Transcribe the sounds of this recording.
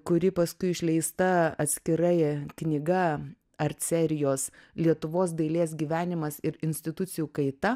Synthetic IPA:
kʊɾʲɪpɐskʊɪɪʃʲlʲɛɪst̪ɐɐt̪ʲsʲkʲɪɾɐɪknʲɪɡɐ | ɐɾʲt̪ʲsʲɛɾʲɪjoːslʲiɛt̪ʊʋoːs̬d̪ɐɪlʲeːs̬ɡʲiːʋʲæːnʲɪmɐsɪɾɪnʲsʲt̪ʲɪt̪ʊsʲɪjuːkɐɪt̪ɐ

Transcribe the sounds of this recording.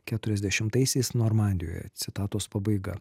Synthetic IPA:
kʲæt̪ʊɾʲɛzʲd̪ʲɛʃʲɪmt̪ɐɪsʲɛɪsnoːɾmɑˑnʲd̪ʲɪjo̰ːjɛ̰t̪sʲɪt̪ɑːt̪oːspɑbɐɪɡɐ̰

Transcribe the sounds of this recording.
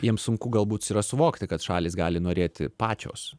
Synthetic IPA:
jiɛmsʊŋkʊɡɐlˠbuːt̪siːɾɐsʊʋoːkt̪ʲɪkɐt̪ʃɑːlʲiːsɡɑːlʲɪnoːɾʲeːt̪ʲɪ̰pɑːt͡ʃʲo̰ːs

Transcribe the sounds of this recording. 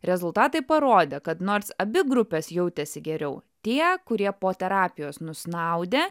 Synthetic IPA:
ɾʲɛzʊlˠt̪ɑːt̪ɐɪpɐɾoːd̪ʲeːkɐt̪noːɾsɐbʲɪɡɾʊpʲeːsjɛʊt̪ʲɛsʲɪɡʲɛɾʲɛʊ | t̪ʲiɛkʊɾʲiɛpoːt̪ʲɛɾɑːpʲɪjoːsnʊsnɐʊd̪ʲeː

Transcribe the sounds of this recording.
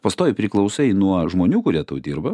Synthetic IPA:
pɐst̪oːjpʲɾʲɪklˠɐʊsɐɪnuɔʒmoːnʲuːkʊɾʲiɛt̪ɐʊd̪ʲiːɾbɐ

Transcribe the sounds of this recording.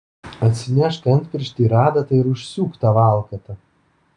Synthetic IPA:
ɐt̪ʲsʲɪnʲæʃkɐnʲt̪ʲpʲɪɾʲʃʲt̪ʲiːɾɑːd̪ɐt̪ɐɪɾʊʃʲsʲuːkt̪ɑʋɑːˑlˠkɐt̪ɐ

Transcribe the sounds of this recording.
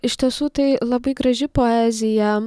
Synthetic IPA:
ɪʃʲt̪ʲiɛsuːt̪ɐɪlˠɐbɐɪɡɾɐʒʲɪpoɛzʲɪjɛ

